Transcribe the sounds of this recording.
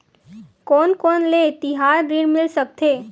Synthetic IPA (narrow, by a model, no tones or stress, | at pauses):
kɔːnkɔːnlet̪ɪɦaːɾɾiɽmɪlsək̚t̪ʰeː